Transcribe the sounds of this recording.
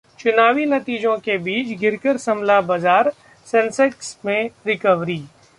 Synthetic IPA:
t͡ʃʊnaːʋinɐt̪iːd͡ʒõkebiːt͡ʃɡʱɪɾkəɾsɐmlabɐzaːɾ | sɛ̃nsɛksmẽɾɪkəʋɾiː

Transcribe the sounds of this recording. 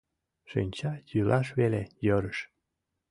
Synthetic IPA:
ʃḭnʲt͡ɕɑjylʔɑʃβelejəɾəʃ

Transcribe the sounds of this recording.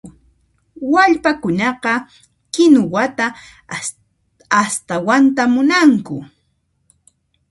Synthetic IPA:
waʎpakʊnɑqɑ | kɪnʊwat̪a | st̪awant̪amʊnaŋkʊ

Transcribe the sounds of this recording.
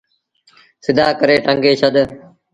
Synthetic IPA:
sɪd̪ʱaːkəɾeːʈəŋɡeːʃʰəɗ̪

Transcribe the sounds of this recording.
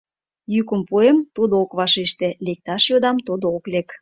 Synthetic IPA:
jykə̆mpuemt̪ud̪ookβɑʃeʃt̪elek̚t̪ɑʃjod̪ɑmt̪ud̪ooklek

